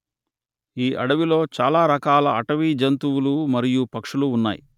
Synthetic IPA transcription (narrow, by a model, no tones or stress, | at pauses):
iːʔɐ̰ɽɐʋilo̞ːt͡ʃaːlaːɾɐkaːlɐɐʈɐʋid͡ʒɐnt̪uwulumɐɾijupɐkʂuluːnːa̰ːjḭ